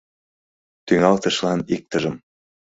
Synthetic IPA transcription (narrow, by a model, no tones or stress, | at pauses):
t̪yŋɑlt̪ə̆ʃlɑnik̚t̪əʒəm